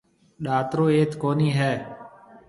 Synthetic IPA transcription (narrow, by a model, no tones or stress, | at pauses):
ɗaːt̪ɾoːeːt̪koːniːɦɛː